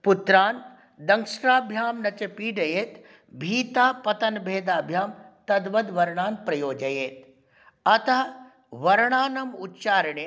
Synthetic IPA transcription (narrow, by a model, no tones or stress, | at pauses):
put̪ɾaːn | d̪ɐŋkʂɾaːbʱjaːmnɐt͡ʃɐpiːɖɐjeːt̪ | bʱiːt̪aːpɐt̪ɐnbʱeːd̪aːbʱjaːmt̪ɐd̪ʋɐd̪ʋɐɾɳ̃aːnpɾɐjoːd͡ʒɐjeːt̪ | ɐt̪ɐɦɐ | ʋɐɾɳaːnɐmutt͡ʃaːɾɳe